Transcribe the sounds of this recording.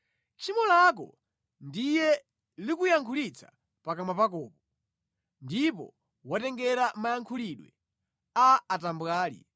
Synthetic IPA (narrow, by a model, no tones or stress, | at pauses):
t͡ʃʰimɔlak̬ɔ̰ | ndijɛ | likujaŋkʰulit͡sʰḁ | pakamapakɔːpɔ | ndipɔ̰ | watɛŋɡɛɾamajaŋkʰuliɗwɛ | aːtambwaːlḭ